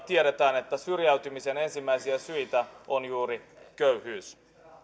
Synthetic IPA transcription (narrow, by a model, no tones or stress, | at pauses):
t̪ieɾet̪æːne̞t̪ːæsyrjæyt̪ymise̞ne̞nsimːæisiæsyjt̪æonjuːɾikøyhyːs